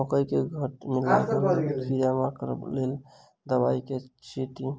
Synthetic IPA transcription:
ɔkəjkeɡʱəʈmila̰jkəɾpʰiɾjamakəɾə̰blel | d̪əbaiket͡ʃiʈi

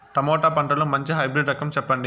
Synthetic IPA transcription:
ʈɐmɔːʈaːpɐɳʈɐlomɐɲt͡ʃiɦɐjbɾiɖɾɐkɐmt͡ʃɛpːɐɳɖi

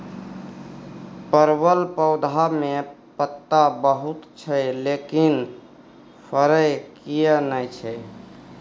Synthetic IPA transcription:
pəɾbəlpəwd̪ʱamepət̪ːabəɦut̪t͡ʃʰəlekin | pʰəɾəjkijənəjt͡ʃʰɛ

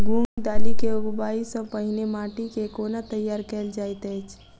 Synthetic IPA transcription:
ɡuŋɡd̪alikeuɡbaisə̃pəɦinemaʈikekonat̪əjːaɾkeld͡ʒajt̪əjt͡ʃʰ

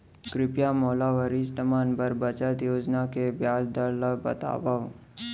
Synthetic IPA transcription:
kɾɪpjamoːlaʋəɾisʈəmaːnbəɾbɐt͡ʃət̪joːd͡ʒnakebjaːd͡ʒd̪əɾləbɐ̰t̪a̰ːʋaʋ

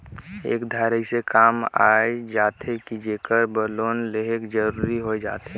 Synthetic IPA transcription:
ḛːkd̪ʱaːɾəisekaːma̰ed͡ʒaːt̪ʰekid͡ʒeːkəɾbəloːnleɦekd͡ʒəɾuːɾiɦoed͡ʒa̰ːt̪e

